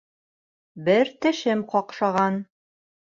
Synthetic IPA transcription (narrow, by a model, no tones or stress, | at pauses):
bɘɾt̪ɘ̆ʃɘmqɒqʃɑʁɑn